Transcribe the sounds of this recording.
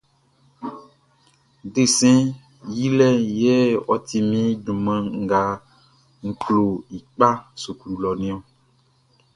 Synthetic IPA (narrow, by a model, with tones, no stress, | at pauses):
ɖe˦sɛ̃˦ | ji˦lɛ˦jɛ˦wɔ˨t̪i˨mĩ˦ɖũ˨mɛ̃˨ŋ̩˨ɡa˨ | ŋ̩˨klo˨i˨k͡pa˦su˨kɾu˨lɔ˨nĩ˦ɔ˦